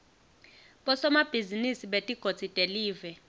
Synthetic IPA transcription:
ɓɔsɔmab̥ʱizinisiɓetʼiɡ̥ʱot͡sitʼeliːvɛ

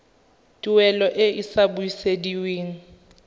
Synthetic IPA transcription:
tʼiwɛlɔʔɪisabuisediweːŋ̩

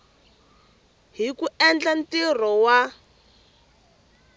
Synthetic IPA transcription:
ɦikuʔɛnd͡ɮantir̤ɔwa

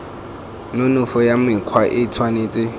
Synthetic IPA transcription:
nʊnʊfɔjamɪq͡χʰwaʔɪtʰwaneːt͡sʼɪ

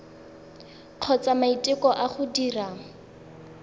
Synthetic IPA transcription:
q͡χʰɔt͡samaitʼɪkɔʔaχʊdiraŋ̩

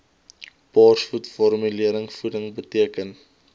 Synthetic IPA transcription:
pɑːrsfutfɔrmyliəɾəŋfudəŋbətiəkən

